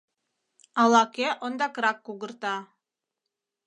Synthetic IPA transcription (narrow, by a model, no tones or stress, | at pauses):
ɑlˠɑkeʔond̪ɑkɾɑkːuɣə̆rt̪ɑ